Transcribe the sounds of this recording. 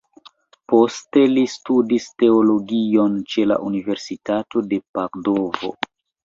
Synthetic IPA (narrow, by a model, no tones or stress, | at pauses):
po̞ste̞listudiste̞o̞lo̞ɡio̞nt͡ʃe̞la̰ʔunive̞ɾsitato̞de̞pakdo̞vo̞̰